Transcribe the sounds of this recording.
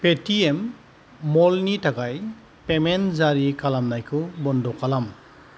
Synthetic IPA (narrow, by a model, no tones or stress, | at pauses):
petiemː | ɔlnitakaj | pemenzaɾikalamnajkʰubɔndɔkalam